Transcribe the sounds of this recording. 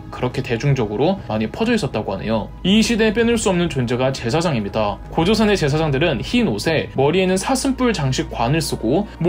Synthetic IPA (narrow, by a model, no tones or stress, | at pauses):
kɯɾʌkʰe̞te̞d͡ʑuŋd͡ʑʌɡɯɾomaɲipʰʌd͡ʑʌis͈ʌt̚t͈aɡoɦa̰ne̞̰jo | iɕʰide̞p̬͈jʌnɯɭs͈uʌmnɯnt͡ɕond͡ʑe̞ɡat͡ɕe̞sʰad͡ʑaŋimɲidakod͡ʑosʰʌne̞t͡ɕe̞s̬ʰad͡ʑaŋdɯɾɯnçinosʰe̞mʌɾienɯnsʰasʰɯmp͈uɭt͡ɕaŋɕʰik͈̚wanɯɭs͈ɯɡom